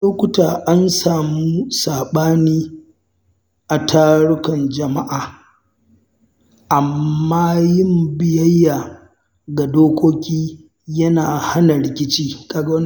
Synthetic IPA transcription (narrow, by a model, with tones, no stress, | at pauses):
loː˦kʷʊ˦taː˨ʔa˦nsaː˨muː˦saː˨ɓaː˦niː˦ | ʔa˨tʰaː˦ɽʊ˦kɐ˨nd͡ʒɐ˨ma˦ʔaː˨ | ʔa˨mːaː˦jɪ˦mbɪ˨jɐ˦jːaː˨ | ɡa˨doː˦kʷoː˦kʲiː˦ | jɐ˦naː˨ha˦nɐ˨ɾɪ˨kʲɪ˦t͡ʃiː˦kaː˨ɡa˦wɐ˦n